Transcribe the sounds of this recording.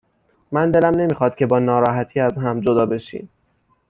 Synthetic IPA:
mænd̪e̞læmne̞miːxɒːd̪̥̚cʰʲe̞bɒːnɒːɾɒːɦæt̪ʰiːæzɦæmd͡ʒod̪ɒːbe̞ʃḭːm

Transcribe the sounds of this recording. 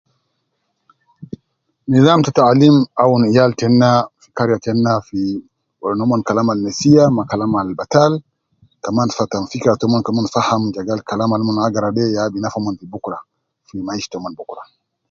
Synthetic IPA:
nizamtataalimawunijaltɛnːafi̥kaɾjatɛnːafi | ɔnɔmɔnkalamalnesijamakalamalbatal | kamanfatamfikɾatɔmɔnkamanfahamd͡ʒaɡalkalamalmɔnaɡaɾadɛjaɓinafamɔnfibukɾa | fimaiʃtɔmɔnbukɾa

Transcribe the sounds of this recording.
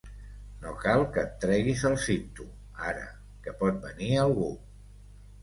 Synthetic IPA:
nokalˠkəːt̪ːɾɛɣizəlˠsit̪u | aɾə̰ | kəpɔt̪̚bəniəlˠɣu

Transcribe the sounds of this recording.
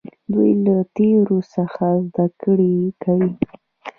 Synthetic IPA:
d̪ujlat̪eɾosəxazd̪akəɽikawi

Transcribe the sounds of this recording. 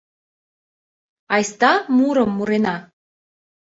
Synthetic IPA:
ɑjst̪ɑmuɾəmːuɾenɑ

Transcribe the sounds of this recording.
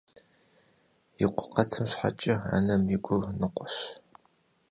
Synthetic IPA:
jɪqʷʊ̥qɐtʰɨmɕħa̰t͡ʃʼɐa̰nɐmiɡʷʼʊwnɨqʷɔɕ

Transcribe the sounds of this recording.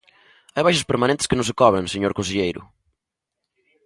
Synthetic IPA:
ajβajʃɐspəɾmanẽnt̪ɪ̥skɪnʊ̃s̬kɔβɾẽŋseɲoɾkõnseʎejɾʊ̰

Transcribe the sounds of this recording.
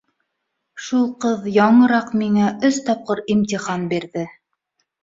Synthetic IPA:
ʃulˠqɤðjɑɴɤ̆ɾɑqmiŋæʔɵst̪ɑp̚qɤɾimt̪ʲiχɑnbiɾðɘ

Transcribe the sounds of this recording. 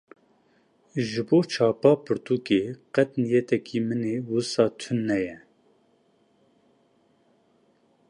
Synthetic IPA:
ʒɨboːt͡ʃʰɑːpɑːpʰɨɾt̪ukeːqɛt̪nijɛt̪ɛkʰimɨneːwɨsɑːt̪ʰʊnːɛjɛ

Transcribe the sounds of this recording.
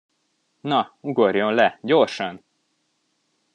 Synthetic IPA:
nɒuɡo̞rjo̞nlɛɟo̞rʃɒn

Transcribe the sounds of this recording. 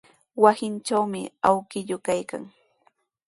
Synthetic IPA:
wasɪnt͡ʃawmɪ̰awkɪʎʊkajka̰ŋ

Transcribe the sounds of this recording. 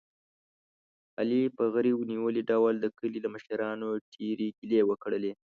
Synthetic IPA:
alipəɣəɾiwniwəliɖawld̪əkəlilaməʃəɾɑnoʈʰeɾeɡilewəkɽəle

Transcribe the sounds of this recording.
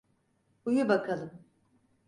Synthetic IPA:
ujubakʰalˠɯm

